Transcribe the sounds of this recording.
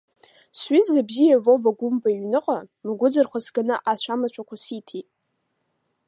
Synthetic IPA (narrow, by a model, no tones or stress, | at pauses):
sɥizabzijavo̞vaɡʷʊmbʼaiɥnɨqʼamɨɡʷʊd͡zɨrχʷasɡanɨʔaʃʷamat͡ɕʷʰakʷʰasitʰitʼ